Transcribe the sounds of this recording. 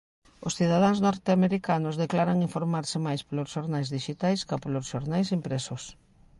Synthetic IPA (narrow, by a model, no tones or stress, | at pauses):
ʊsθiðað̞aŋznɔɾt̪eameɾikanʊzðeklaɾaŋiɱfoɾmaɾsɪmajsplosʃoɾnajzðiʃit̪ajskapolosʃoɾnajsimpɾɛsʊs